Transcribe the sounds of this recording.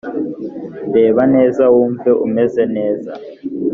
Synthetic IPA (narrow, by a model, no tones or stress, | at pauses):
mbɛβanɛzawumfɛʔṵmɛzɛnɛːza̰